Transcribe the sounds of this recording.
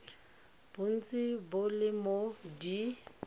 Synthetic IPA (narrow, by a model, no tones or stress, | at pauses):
b̥ʊn̩t͡sʼɪbʊlɪmodi